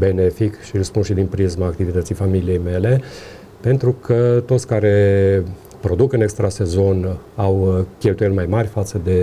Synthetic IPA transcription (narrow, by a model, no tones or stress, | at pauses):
be̞ne̞fikʃilspunʃid̪inpɾizmaːkt̪ivit̪ət̪sijfamilije̞jme̞le̞ | pe̞nt̪ɾukʰət̪o̞t̪sʲkaɾe̞ | pɾo̞d̪ukɨnekst̪ɾase̞zo̞nawkʲe̞lt̪uje̞lmajmarʲfat̪səd̪e̞